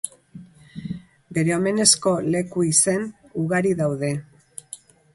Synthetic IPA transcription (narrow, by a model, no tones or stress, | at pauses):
be̞ɾe̞ome̞ne̞sko̞le̞kuisenuɣaɾiðawðe̞